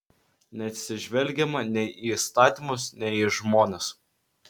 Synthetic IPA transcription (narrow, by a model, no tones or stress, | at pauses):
nʲɛɐt̪ʲsʲɪʒʲʋʲɛlʲɡʲɛmɐnʲɛʔiist̪ɑːt̪ʲiːˑmʊsnʲɛiʒmoːnʲes